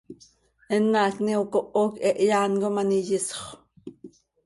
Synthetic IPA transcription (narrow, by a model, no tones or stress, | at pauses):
ʔɛnːaːkniokoʔoːkɛʔjaːnkomanijɪsχʷ